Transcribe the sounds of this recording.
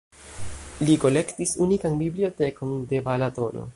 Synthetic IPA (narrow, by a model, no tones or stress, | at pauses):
liko̞le̞ktisunikanbiblio̞te̞ko̞nde̞balato̞no̞̰